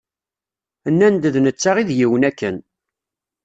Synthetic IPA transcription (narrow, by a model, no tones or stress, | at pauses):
ənːænd̪əðnət͡sːaʁiðjiwənækːən